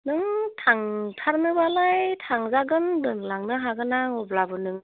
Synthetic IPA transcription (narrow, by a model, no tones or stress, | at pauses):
nɯŋtʰaŋtʰaɾnɯbalajtʰaŋzaɡɯndɯŋlaŋnɯɦaɡɯnaŋɔblabɯnɯŋ